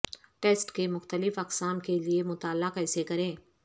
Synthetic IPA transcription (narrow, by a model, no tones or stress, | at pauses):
ʈeːsʈkemʊxt̪əlɪfɐqsaːmkeliemʊt̪aːlːakɛːsekɐɾẽː